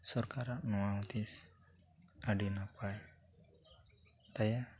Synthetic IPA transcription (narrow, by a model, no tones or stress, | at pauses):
sɔɾkaɾaʔnɔat̪is | aɖinapaj | t̪aja